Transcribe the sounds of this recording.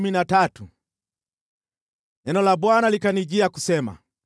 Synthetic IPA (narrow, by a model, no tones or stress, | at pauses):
minatatu | ɛnɔlabwanalikaniɟiakusɛma̰